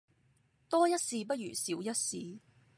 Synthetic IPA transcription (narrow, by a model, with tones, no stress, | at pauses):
t̪ɔː˥jɐ˥t̚siː˧pɐ˥t̚jy̰ː˨˩siː˨˥wjɐ˥t̚siː˨˧